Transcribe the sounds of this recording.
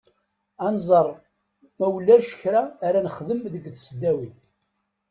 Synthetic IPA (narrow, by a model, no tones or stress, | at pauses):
ænzˤərˤ | mæwlːæɾʃə̥çɾaːɾænəχðəmðəɡθsəd̪ːæwiθ